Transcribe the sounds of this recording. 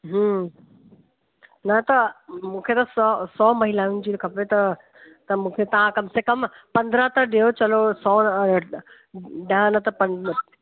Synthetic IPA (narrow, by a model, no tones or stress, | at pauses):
ɦə̃ | nɐt̪ɐmũːkʰet̪ɐsɔsɔːmɐɦilaːʊn̆d͡ʑiːɾkʰɐpɾet̪ɐ | t̪ɐmũːkʰet̪ɐʋ̤ãkɐmsekɐmpɐ̃nd̪ɾət̪ɐɗejot͡ɕɐlosɔː | ɖɐɦãnɐt̪ɐpɐ